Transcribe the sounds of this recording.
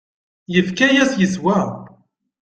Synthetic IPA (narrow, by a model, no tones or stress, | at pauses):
jəfkæjæsjəzwæ